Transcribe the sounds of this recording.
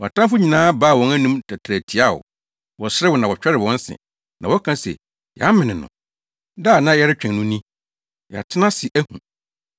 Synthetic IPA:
wɔ˨a˨tã˦fʊ˦ɲĩ˨nãː˦ba˦˨wɔ̃˨næ˦nũ˦mtʰa˨tʰɾæ˨tʰi˨a˦˨wʊ̰˨ | wɔ˨sɾɛ˦wɔ˨nã˨wɔ˨t͡ɕᶣɛ˦ɾɪ˨wɔ̃˦n˦sɪ̰̃˨ | nã˨wɔ˦kʰã˦sɛ̰˨ | j̰a˦mɪ̃˨nɪ̃˨nʊ̰̃˨ | da˦˨nã˦jɛ˦ɾɪ˦t͡ɕᶣɛ̃˨ŋnʊ̃˦nĩ˦ | ja̰˨tʰɪ˦nã˦sɪ˨ʔæ˦hṵ̃˨

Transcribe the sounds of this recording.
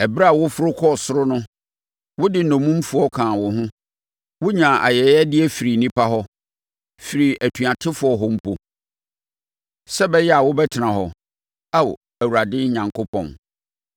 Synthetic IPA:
ɛ˨bɾa˦˨wʊ˦fʊ˦ɾʊ˦kʰɔ˦˨sʊ˦ɾʊ˦nʊ̃˦ | wʊ˦dɪ˨nɔ̃˨mũ˦m̩˦fʊ˨˦ɔ˦kʰã˨wʊ˨ɦʊ̃˦ | wʊ˦ɲã˨ʔa̰˨jɛ˨˦ɛ˦dɪ˦ɛ˦fi˨ɾi˨nĩ˦pʰa˦ɦɔ˦ | fi˨ɾi˨ʔæ˨tʰu˨a˨tʰɪ˦fʊ˨˦ɔ˨ɦɔ˦m̩˦pʰo˨ | sɛ˦bɛ˦jɛ˦a˨wʊ˦bɛ˦tʰɪ˨nã˨ɦɔ˨ | a˦w̰ | æ˨wu˨ɾa˨dɪ̃˦ɲã˨ŋkʰʊ˦pʰɔ̰̃˨n

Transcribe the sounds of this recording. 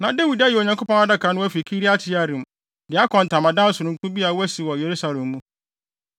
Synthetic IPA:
nã˨de˦wi˨da˦jɛ˨o˨ɲã˨ŋkʰʷo˦pɔ̃˦na˦da˦kʰã˨˦nʊ̃˦æ˦fi˨kʰi˦ɾi˦a˦tʰɪ˦a˦˨ɾĩ˨m˨ | dɪ˨˦a˦kʰɔ̃˨n̩˨tʰã˨mã˨dã˦sʊ˨ʊ̃˨ŋ˦kʰʊ̃˦bi˦a˨wæ˦si˨wɔ˨je˨ɾu˦sa˨lɛ̃˨mːũ˦

